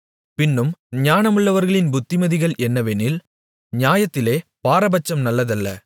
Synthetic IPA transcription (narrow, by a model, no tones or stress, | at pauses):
pɪnːɯmɲaːnɐmɯɭːɐʋɐɾɣɐɭɪnbʊt̪ːɪmɐðɪɣɐɭɛnːɐʋeːnɪl | ɲaːjɐt̪ːɪleːpaːɾɐbɐt͡ʃːɐmnɐlːɐðɐlːɐ̰